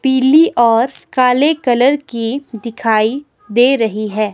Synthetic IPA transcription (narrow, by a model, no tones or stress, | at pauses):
piːliʔɔːɾkaːlekɐləɾkid̪ɪkʰaːi | d̪eːɾɐɦiɦɛː